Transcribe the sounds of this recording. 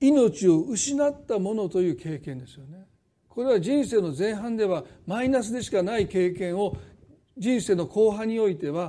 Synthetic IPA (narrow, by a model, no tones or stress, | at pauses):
ino̞t͡ɕio̞ɯ̟ɕinat̪ːamo̞no̞t̪o̞jɯ̟ːkʰe̞ːkẽnd̪e̞sɨjone̞ | ko̞ɾe̞β̞aʑĩɰ̃se̞ːno̞zẽɰ̃ɦãnd̪e̞β̞amainasɨd̪e̞ɕi̥kanaike̞ːkẽ̞ɰ̃o̞ | d͡ʑĩɰ̃se̞ːno̞kʰo̞ːɦãɲ̟io̞it̪e̞βa